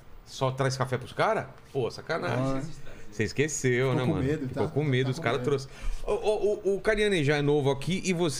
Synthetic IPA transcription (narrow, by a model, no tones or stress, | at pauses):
sɔt̪ɾajskafɛpɾʊskaɾɐ | pohɐsakɐna̰ʒ̃seiskesewnɛmɐ̃nmd̪fikokõmed̪ʊskaɾɐt̪ɾosɪ̥oʔɔʔʊʔʊkaɾiɐ̃nẽʒaɛnovʊakʰiʔɪvos